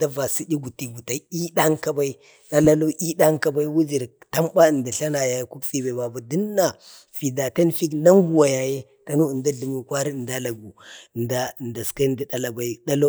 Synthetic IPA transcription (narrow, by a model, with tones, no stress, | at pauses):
da˦va˨si˦di˦ɡu˨ti˨ɡu˨ta˨i˦ɗa˦ŋka˦ba˦i˦ | ɗa˦la˦lo˦ʔi˦da˦ŋka˦ba˦i˦wu˦d͡ʒi˨ɾta˦mba˦ə˨nda˨ɬa˦na˨ja˨je˦ku˦kfi˦ba˨i˨ba˨ba˨di˦nːa˨ | fi˨da˨ta˦nfi˦kna˦ŋɡu˦˨wa˨ja˨je˦ | ta˦nu˦˨da˦ɮi˨mu˨kʷa˦ɾi˦˨da˦la˨ɡu˨nda˦˨nda˨ska˦nda˦da˨la˨ba˨i˦da˦lo˦